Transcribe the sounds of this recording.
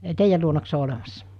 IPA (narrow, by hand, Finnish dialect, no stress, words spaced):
teijæl luonɑks se o olemɑsːɑ